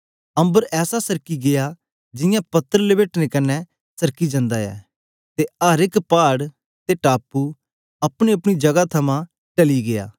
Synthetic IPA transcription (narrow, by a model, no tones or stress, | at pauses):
ɐ̃mbəɾɛːsasɐɾkiɡɪja | d͡ʒɪjãpɐt̪ːəɾlebeːʈnekɐnːɛ | sɐɾkid͡ʒɐ̃nd̪aːɛ̰ː | t̪eaːɾɪkpaːɽ | t̪eʈaːpːuː | ɐpɽ̃eɐpɽ̃id͡ʒɐɡat̪ʰɐmã | ʈɐliɡɪa̰ː